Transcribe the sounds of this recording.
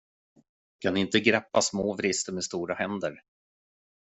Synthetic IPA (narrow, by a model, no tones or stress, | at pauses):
kʰanɪnt̪əɡɾɛpːasmoːvɾɪst̪əmɛst̪uːɾahɛnd̪əɾ